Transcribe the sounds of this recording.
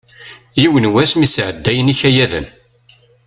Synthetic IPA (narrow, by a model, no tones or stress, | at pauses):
jiwənwæsmisʕəd̪ːæjəniçæjæðə̰m